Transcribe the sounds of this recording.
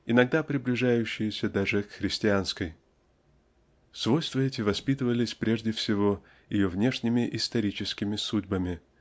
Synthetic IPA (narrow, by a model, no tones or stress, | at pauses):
ɪnɐɡ̚d̪apɾʲɪblʲɪʐajʉɕːɪjɪsʲəd̪aʐɨkxɾʲɪsʲtʲɪanskəj | svo̞jst̪vəɛtʲɪvɐspʲit̪ɨvəlʲɪsʲpɾʲe̞ʐdʲɪfsʲɪvo̞ | jɪjovnʲe̞ʂnʲɪmʲɪʔɪst̪ɐɾʲit͡ɕɪskʲɪmʲɪsudʲbəmʲɪ